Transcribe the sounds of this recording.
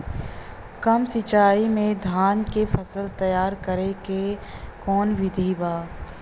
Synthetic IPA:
kɐmsɪt͡ʃaːimẽd̪ʱaːnkepʰɐsəlt̪ɐjaːɾkəɾekekɔːnʋɪd̪ʱibaː

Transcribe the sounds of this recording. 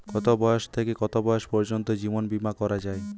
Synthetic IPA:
kɔt̪obɔjoʃt̪ʰekekɔt̪obɔjoʃpɔɾd͡ʑont̪od͡ʑibonbimakɔɾad͡ʑae

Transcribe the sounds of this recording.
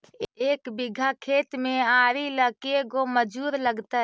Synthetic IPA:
eːkbɪɡʱakʰeːt̪mẽaːɾiləkeɡoməd͡ʒuːɾləɡt̪a

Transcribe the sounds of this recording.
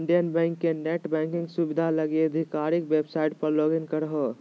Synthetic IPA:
ɳɖijənbɛ̃ŋkːeneʈbɛ̃ŋkiŋɡsubid̪ʱaləɡeəd̪ʱikaɾikbebsaiʈ̚pəɾloɡinkəɾəɦo

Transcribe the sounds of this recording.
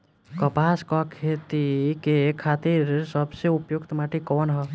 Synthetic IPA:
kəpaːskakʰeːt̪ikekʰaːt̪iɾsəbseʊpjʊkt̪maːʈikɔːnɦɔ

